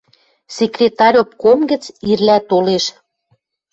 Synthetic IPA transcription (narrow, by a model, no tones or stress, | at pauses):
sekrʲet̪ɑɾʲopkomɡə̆t͡sirlæt̪oleʃ